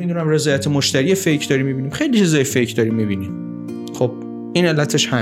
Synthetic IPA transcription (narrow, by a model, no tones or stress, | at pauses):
id̪unæmre̞zɒːjæt̪ʰemoʃt̪æɾiːefejkʰd̪ɒɾimːibiːniːmxe̞jlit͡ʃʰizɒːjefejkʰd̪ɒːɾimːibinim | xob̥̚ | ʔine̞lːæt̪ʰeʃhæ